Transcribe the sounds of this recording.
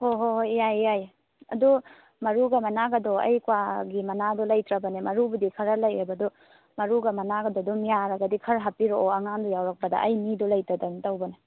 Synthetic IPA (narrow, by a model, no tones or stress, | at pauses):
hoɦoɦjajjaj | ɐ̰du | mɐɾuɡɐmɐnaɡɐdɔɐ̰jkuwaɡimɐnadɔlɐjtɾɐbɐnemɐɾubudikʰɐɾɐlɐjebɐdɔ | mɐɾuɡɐmɐnaɡɐdɔdɔmijaɾɐɡɐdikʰɐɾɦapiɾooɐŋaŋdɔjawɾɐk̚pɐdɐ̰ʔɐjmidɔlɐjtɾɐdɐnitawbɐna